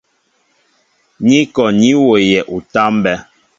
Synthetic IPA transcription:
ɲi˦kɔ˨ɲi˦wo˨jɛ˨ʔu˨ta˦mbɛ˦

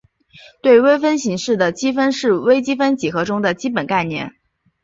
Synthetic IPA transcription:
t̪we˥˩ɪwe˥ɪfə˥nɕi˧˥ŋʂɻ̩˥˩d̪ə˩t͡ɕi˥fə˥nʂɻ̩˥˩we˥ɪt͡ɕi˥fə˥nt͡ɕi˨˩xɤ˧˥ʈ͡ʂʊ˥ŋd̪ə˨t͡ɕi˥pə˨˩nka˥˧ɪnjɛ̰˥˩n

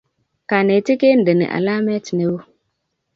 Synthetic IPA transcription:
ka˨ne˨ti˦ke˦n̩˨dɪ˨nɪ̰˨ʔa̰˨la˦mɛ˦tne˦w

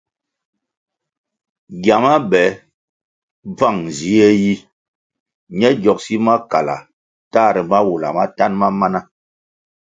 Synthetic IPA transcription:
ɡja˨ma˦bɛ˨˦ | b͡va˦˨ŋ˨zi˦ɛ˦ji˦ | ɲɛ˦ɡjɔ˨k̚si˦ma˦ka˨la̰˨ | ta˦˨ɾɛ˨ma˦wu˨la̰˨ma˦ta˦nma˦ma˦na˦

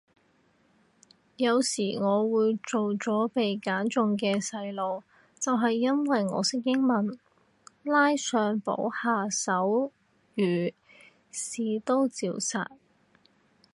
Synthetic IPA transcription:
jɐ˨˧wsiː˨˩ŋɔː˨˧wuː˨˧jt͡ʃo˨wt͡sɔː˨˥pe˨jkaː˨˥nt͡sʊ˨ŋkɛː˧sɐ˧jlo˨˧w | t͡sɐ˨wɦɐ˨jːɐ˥nwɐ˨jŋɔ̰ː˨˧sɪ˥ŋkɪ˥ŋmɐ˨n | laː˥jsœː˧ŋpo̰˨˥whaː˨sɐ˨˥w | jyː˨˩ | siː˨˧t̪o˥wt͡siː˨˧wsa̰ː˨t̚

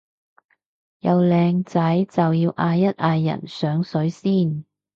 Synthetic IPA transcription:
jɐ˨˧wlɛː˧ŋt͡sɐ˨˥jt͡sɐ˨wjiː˧wʔaː˧jːɐ˥t̚ʔaː˧jːɐ̰˨˩nsœː˨˥ŋsɵ˨˧˥ɥsiː˥˩n

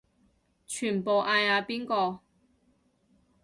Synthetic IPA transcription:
t͡ʃʰyː˨˩npo˨wʔaː˧jaː˧piː˥nkɔː˧

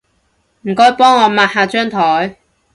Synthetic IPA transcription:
m̩˨˩kɔː˥jpɔː˥ŋːɔː˨˧maː˨˧t̚haː˨˧t͡ʃœː˥ŋt̪ʰɔː˨˥j

